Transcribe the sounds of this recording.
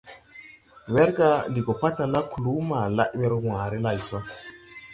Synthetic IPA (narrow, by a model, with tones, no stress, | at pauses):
we˦ɾɡa˦li˨ɡo˨pa˦ta˨la˦ku˨lu˦ma˨la̰˦ʔwe˦ɾwa˨ɾe˦la˨jso˦